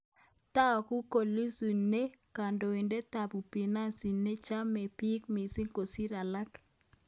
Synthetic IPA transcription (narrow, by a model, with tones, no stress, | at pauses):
ta˦ɔ˨ku˦ko˨li˦su˨ne˦ka˨ndo˨i˨nde˦t̪a˨bu˨pi˨na˦si˨ne˦t͡ʃa˦mɛ˨pi˦kmi˨si˦ŋko˨si˦ɾa˨la˦k